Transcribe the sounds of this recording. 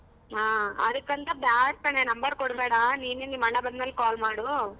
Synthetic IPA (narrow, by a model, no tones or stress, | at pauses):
aːɐ̰d̪ɐkːɐnt̪ɐbaːsʈɐɳenɐmbɐɾkɔɽbeːɽaniːnenimɐɳɐbɐnd̪nɐlːkaːlmaːɽu